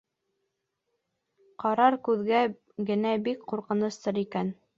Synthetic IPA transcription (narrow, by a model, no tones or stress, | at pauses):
qɑɾɑɾkʉðɡæ | ɡɘ̆næbikquɾqɤ̆nɤ̆st̪ɤɾikæn